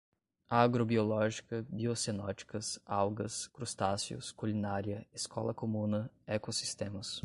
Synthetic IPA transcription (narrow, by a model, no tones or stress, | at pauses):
aɡɾobiolɔʒikɐbiosenɔt͡ʃi̥kɐsawɡɐskɾust̪asiʊ̰skulinaɾiɐeskɔ̰lɐ̰komũnɐɛkosi̥st̪ẽmɐs